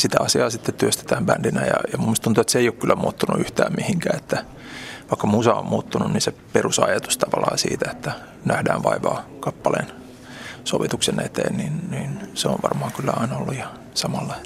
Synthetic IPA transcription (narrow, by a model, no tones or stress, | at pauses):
sit̪æɑsiɑːsit̪ːet̪t̪yøst̪e̥t̪æːmbændinæjɑ̰jɑmumːust̪unt̪uet̪seijokkylːæmuːt̪ːunṵyht̪æːmmihiŋkæːet̪ːæ | ʋɑikːɑmusɑommuːt̪ːununninseperusɑjɑt̪ust̪ɑʋɑlɑ̰ːsḭːt̪æe̥t̪ːæ | næhdæːʋʋɑiʋɑːkɑpːɑlḛːn | soʋit̪uksenet̪ḛːnninninseoʋʋɑ̰rmɑːŋkylːæɑinɑolːujɑ | sɑmɑlːɑ